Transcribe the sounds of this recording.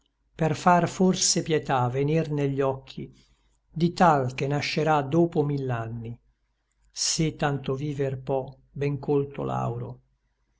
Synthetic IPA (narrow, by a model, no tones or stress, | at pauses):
perfarforsepjɛt̪avenirneʎːɔkʰːḭ | d̪it̪alkenaʃːeɾad̪oːpomilːanːi | sit̪ːant̪oviːverpɔ | bɛŋkolt̪o̰la̰wɾo̰